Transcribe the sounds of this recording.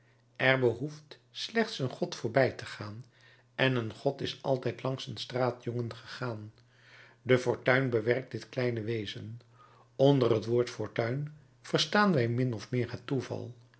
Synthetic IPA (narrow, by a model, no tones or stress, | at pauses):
ʔɛrbəɦuft | slɛχtsənχɔtfʊːɹbɛjtəχaːn | ɛnənχɔtɪsɑ̰lˠtɛjtlɑŋsənstraːtjɔŋənχəχaːn | dəfʊɹtœɥnbəʋɛrk̚dɪtklɛjnəʋejzən | ɔndərɦətʋoːɹtfʊɹtœɥn | v̥əɹstaːnʋɛjmɪnɔfmɪːɹɦətːuvɑ̰lˠ